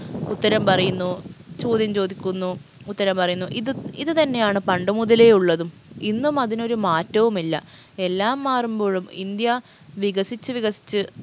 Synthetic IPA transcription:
ut̪ːɐɾɐmpɐrɐjunːut͡ɕo̞ːd̪jɐmt͡ɕo̞ːd̪ikʲːunːuː | t̪ːɐɾɐmpɐrɐjunːuʔiðɨiðɨt̪ɐnːe̞jaːɳɨpɐɳɖɐmuðɐle̞juɭːɐðum | inːumɐðino̞ɾumaːtːɐʋumilːɐ̰ | e̞lːaːmːaːrumbo̞ːɻumḭnd̪jɐ | ʋiɣɐsit͡ɕːɨʋiɣɐsi̥t͡ɕːɨ

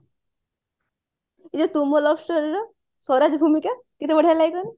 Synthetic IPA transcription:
id͡ʑɔt̪umolɔfʰsʈoɾeɾɔ | sɔɾad͡ʑbʱumika | kit̪ʰebɔɽ̤ʱajlajkɔn

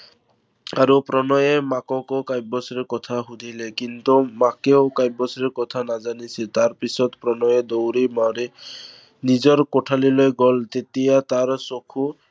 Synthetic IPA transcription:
aɾupɾɔnɔjemakɔkɔkajbɔsɾekɔt̪ʰaɦud̪ʱilekint̪umakeokajbɔsɾeɾkɔt̪ʰanad͡ʒanisit̪aɾpisɔd̪pɾɔnɔjɔd̪owɾimaɾe | nid͡ʒɔɾkoʈʰalilɔjɡɔlt̪et̪ijat̪aɾsokʰu

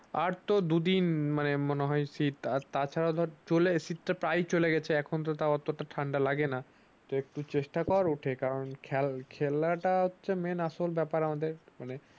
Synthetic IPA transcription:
aɾt̪od̪ud̪inmanemoneɦɔesit̪at̪at͡ɕʰaɾaod̪ʱɔɾt͡ɕolesit̪ʈapɾajt͡ɕoleɡɛt͡ɕʰeɛkʰont̪̬ot̪aɔt̪ːoʈaʈʰaɳɖalaɡena | t̪aek̚ʈut͡ɕeʃʈakɔaɾuʈʰekaɾonkʰɛlkʰelaʈaɦotːɕʰemenaʃolbɛpaɾamad̪eɾmane

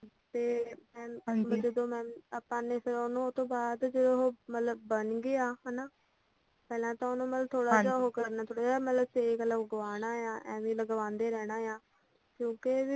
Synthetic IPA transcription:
t̪eːmɛ̃ːməd͡ʒəd̪õːmɛ̃ːaːpãːneːpʰɪɾonõːt̪õːbaːd̪d͡ʒəd̪õɦoːmət̪ləbbənɡeːaːɦɛːnaː | pɛːlãːt̪ãːonũːmət̪ləbt̪ʰoːɽaːd͡ʒaːɦokəɾnaːt̪ʰoːɽaːd͡ʒaːmət̪ləbsekləɡʋaːnaːjãːʔɛ̃ːʋĩːləɡʋãːnd̪eːɾɛːɽ̃aːjãː | kjõːke

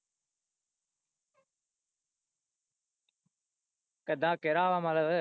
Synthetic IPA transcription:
kəd̪ʱãːkeɾaːʋãːmaləʋə

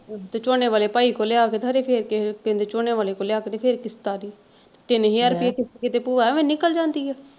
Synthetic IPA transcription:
t̪eːt͡ʃoːneːʋaːleːpaːiːkoːlɪjaːkeːt̪əɾeːpʰeɾkekẽnd̪eːt͡ʃoːneːʋaːleːkoːljaːkeːt̪eːpʰɪɾkɪst̪aːɾiː | t̪et̪eneɦiːəɾpiekɪskɪt̪eːpuʋaːɛmẽːnɪkəld͡ʒãːnd̪iːɛː

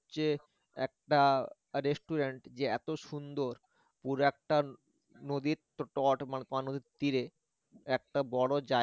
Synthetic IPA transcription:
ɕe | ɛ̰k̚ʈa | ɾesʈuɾeɳʈd͡ʑeɛ̰t̪oʃund̪oɾ | puɾoɛk̚ʈa | nod̪iɾt̪ʈɔʈmanet̪anod̪iɾt̪iɾe | ɛk̚ʈabɔɽod͡ʑa

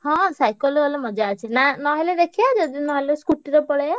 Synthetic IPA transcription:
ɦɔ̃sajkɔlɔlemɔd͡ʒaːt͡ʃʰinanɔɦeled̪ekʰiad͡ʒɔd̪inɔɦeleskuʈːiɾɔpɔɭea

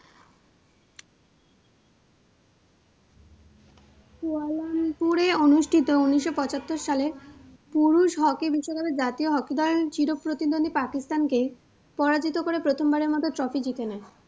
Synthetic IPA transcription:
kualampuɾeonuʃʈʰit̪ounːiʃːopɔt͡ɕat̪ːoɾʃale | puɾuʃɦɔkibiʃːokabed͡ʑat̪ioɦɔkid̪ɔlt͡ɕiɾok̚pːɾot̪id̪ond̪ʱipakist̪anke | pɔɾad͡ʑit̪okoɾepɾot̪ʰombaɾeɾmɔt̪ot̪ɾɔfid͡ʑit̪ena

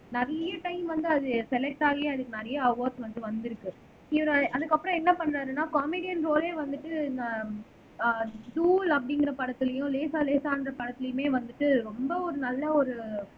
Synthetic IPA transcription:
nɐɾɐjɐʈɐɪmʋɐnd̪ɯɐðɯsɛlɛk̚ʈaːɣɐjɐ̃ɐðɯkːɯnɐɾɐjɐɐʋɐːɾsʋɐnd̪ɯʋɐnd̪ɪɾɯkːɯ | ɪʋɐɾɐ̃ʔɐðɯkːɐpːɾɔ̃ɛnːɐpɐɳːɾaːɾɯnaːkaːmeːɽɪjɐnɾoːleːʋɐnd̪ɯʈːɯɪnɐ | ʈuːlɐpːɐɽɪŋɡɪɾɐpɐɽɐt̪ːɪlɐjʊ̃leːsaːleːsaːnɾɐpɐɽɐt̪ːɪlɐjʊ̃meːʋɐnd̪ɯʈːɯɾɔmbɐɔɾɯnɐlːɐɔɾɯ

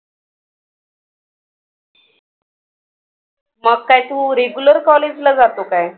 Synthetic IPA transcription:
məɡ̚kajt̪ũːɾeɡjuləɾkɔled͡ʑlad͡zat̪okaj

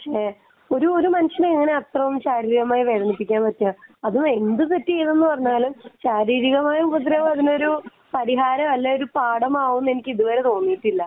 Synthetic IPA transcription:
ɐkʂe | o̞ɾuoɾumɐnɐɕɐneiŋːɐne̞ɐt̪rɐʋumɕaːɾiːɾiɣɐmaːjiʋe̞ːðɐnipːikʲːaːnpɐtːaɐðume̞nd̪ɨkɐtːiejɐðe̞nːɨpɐrɐɲːaːlumɕaːɾiːɾiɣɐmaːjumpɐt̪̬ːɾɐʋɐðino̞ɾu | pɐɾiɦaːɾɐʋɐlːɐoɾupaːɽɐmaːɣunːe̞nikʲːɨiðuʋɐːɾe̞t̪o̞ːnːijiʈːilːɐ

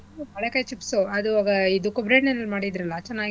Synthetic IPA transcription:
umɐɭekaːjt͡ʃipsuɐd̪uʋaːɡɐid̪ukːubɾeɖnenːɐlmaːɽid̪ɾɐlːɐt͡ʃɛnːaːɡi

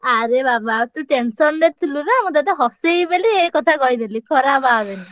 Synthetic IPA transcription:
aɾebabat̪ũʈensɔnɾet̪ʰiluɾamũd̪at̪eɦɔsejbeliekɔt̪ʰakɔid̪elikʰɔɾababeni

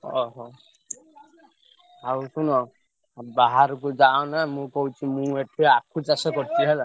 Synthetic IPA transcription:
ɔɦɔ | ausunɔ | baɦaɾɔkud͡ʒaɔ̃namũkɔɦut͡ʃʰumũeʈʰiakʰut͡ʃasɔkɔɾt̪ʰiɦel

